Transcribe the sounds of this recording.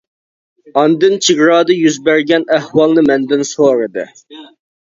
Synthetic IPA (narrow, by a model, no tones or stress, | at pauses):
ɑnd̪ɨnt͡ʃʰiɡɾɑːd̪ɨjyzbæɾɡʲɛnæhwɑlˠnɨmɛnd̪ɪnsoːɾɨd̪ɨ̰